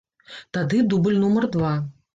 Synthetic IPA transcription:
t̪ad̪ɨd̪ubɨlʲnumɐrd̪va

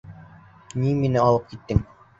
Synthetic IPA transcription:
niminɘɑlˠɤp̚kit̪ːɘŋ

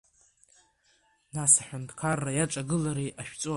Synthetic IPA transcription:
nasaħʷᶣʊntʰkʰarːajaʈ͡ʂʼaɡɨlaɾejʔaʃᶣt͡sʼo

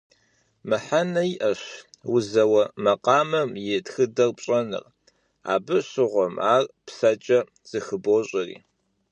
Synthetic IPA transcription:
mɨħanɐjʔɐɕwʊzɐwɐmɐqɑːmɐmjɪtxɨdɐrpɕʼɐnɨ̰r | a̰ːbɨɕɪʁʷɔmaːrpsɐt͡ʃʼɐ | z̥ɨxɨboːɕʼɐrḭː

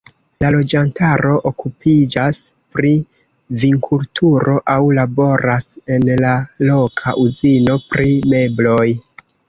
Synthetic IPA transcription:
lalo̞d͡ʒantaɾo̞ʔokupid͡ʒaspɾi | viŋkʰultʰuɾo̞ʔawlabo̞ɾase̞nlalo̞kʰaʔuzino̞pɾime̞blo̞j

